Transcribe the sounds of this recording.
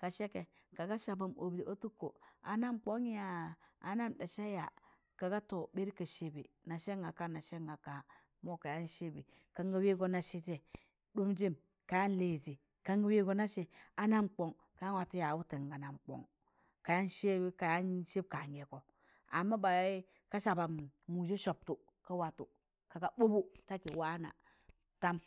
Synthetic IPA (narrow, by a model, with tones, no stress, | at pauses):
ka˨ʃe˦ke˨ | ka˨ɡa˦ʃa˨ba˨mo˨bdi˨o˦tu˦kːo̰˨a˨na˦mk͡po˦ŋ˦ja˨a˨na˦mda˨ʃa˦ja˨ | ka˨ɡa˦to˨be˦ɾi˦ka˨ʃe˦bi˨ | na˨ʃe˦ŋɡa˨ka˦na˨ʃe˦ŋɡa˨ka˨ | mo˦ka˨ja˦nʃe˦bi˨ | ka˦ŋɡa˦we˦ɡo˦na˨ʃi˦te˨ | du˦md͡ʒi˦m | ka˨ja˦n˦le˨zi˨ | ka˦ŋɡa˦we˦ɡo˦na˦ʃe˨a˦na˦mk͡po˨ŋ | ka˨ja˦nwa˨ti˦ja˨wu˦ti˨ŋɡa˨na˨mk͡po̰˨ŋ | ka˨ja˦nʃe˦bi˦ka˨ja˦nʃe˦b̚ka˨ŋɡe˨ko˨ | a̰˨mːa˦ba˨˦i˦ | ka˦ʃa˨ba˨mmu˨d͡ʒe˦ʃo˨p̚tu˨ | ka˦wa˨tu˨ | ka˨ɡa˨bo˦bu˦ta˦ki˨wa˦na̰˨ | ta˦m